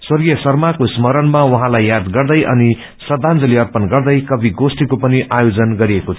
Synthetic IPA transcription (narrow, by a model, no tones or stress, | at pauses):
swʌrɡijʌsʌrmakosmʌɾʌnmawʌɦãlajːad̪ɡʌrd̪ʌjʔʌ̰ni | sʌd̪ʱand͡zʌliʌrpʌnɡʌrd̪ʌjkʌbʱiɡosʈikopʌniʔajod͡zʌnɡʌɾiekot͡sʰʌ